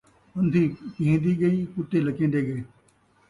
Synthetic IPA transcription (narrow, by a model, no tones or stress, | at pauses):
ənd̪ʱiːpɪɦẽːd̪iːɡəiːkʊt̪ːeːləkẽːd̪eːɡəeː